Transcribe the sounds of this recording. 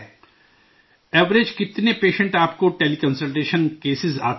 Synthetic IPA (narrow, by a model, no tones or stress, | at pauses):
ɛːʋɾed͡ʒkɪt̪nepeːʃə̃ɳʈaːpkoʈeːlikə̃nsəlʈeːʃənkeːsɪza̰ː